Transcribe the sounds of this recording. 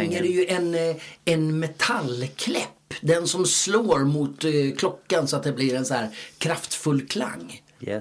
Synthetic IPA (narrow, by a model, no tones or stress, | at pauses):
ŋːəɾɛjɵʔɛnɛnmɛt̪ʰalkʰlɛpːd̪ɛnsɔmsloːɾmʊt̪kʰlɔkːansɔat̪̚d̪ɛblɪɾɛnsæːɾkʰɾaft̪fɵlːkʰla̰ŋː